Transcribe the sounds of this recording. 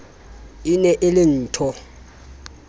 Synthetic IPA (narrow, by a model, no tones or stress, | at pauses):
inɛʔɪlɪn̩ːtʰɔ